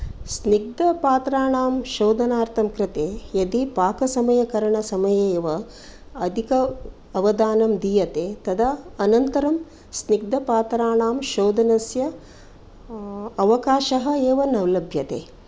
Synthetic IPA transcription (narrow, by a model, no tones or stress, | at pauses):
sniɡ̚d̪ɐpaːt̪ɾaːɳaːmʃoːd̪ɐnaːɾt̪ʰɐmkɾɪt̪eːjɐd̪ipaːkɐsɐmɐjɐkɐɾɐɳɐsɐmɐjɐeːʋɐ | ɐd̪ʱikɐ | ɐʋɐd̪aːnɐmd̪iːjɐt̪eːt̪ɐd̪ɐɐnɐnt̪ɐɾɐm | sniɡ̚d̪ɐpaːt̪ɾaːɳaːmʃoːd̪ɐnɐsjɐ | ɐʋɐkaːʃɐɦɐ̆eːʋɐnɐwlɐbʱjɐt̪ḛː